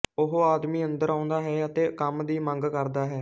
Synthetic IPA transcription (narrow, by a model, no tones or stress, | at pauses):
ʊɦoːaːd̪miːənd̪əɾãːʊnd̪aːɦɛːət̪eːkəmd̪iːməŋɡkəɾd̪aːɦɛː